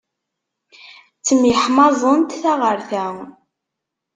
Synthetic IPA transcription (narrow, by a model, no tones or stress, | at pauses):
t͡sːəmiħmɑzˤənt̪θæʁəɾθæ